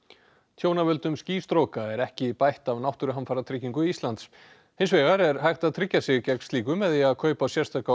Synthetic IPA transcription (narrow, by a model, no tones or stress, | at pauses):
t̪ʰjoːwnavʏlt̪ʏmsciːst̪ɾowkaɛɾɛhcɪpajht̪avnawht̪ʏɾʏɦanfaɾat̪ʰɾɪcːiŋkʏiist̪lant̪s | hɪns̬vɛːɣaɾɛɾ̥hajxt̪aðt̪ʰɾɪcːasɪɣcɛkn̥siːkʏmɛðiaðkʰœːɥpawsjɛr̥st̪ʰaka